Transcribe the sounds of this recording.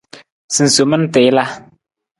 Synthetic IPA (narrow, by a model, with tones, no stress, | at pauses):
sɨ˨n̩˨so˨˦mə˦n̩˦tɪ˨˦la˦